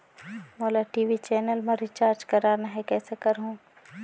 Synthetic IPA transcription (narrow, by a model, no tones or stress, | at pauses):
moːlaʈiːʋit͡ʃɛːnəlmɐ̃ɾit͡ʃaːɾd͡ʒkɐɾaːnaɦɛkɛːsekɐɾɦũː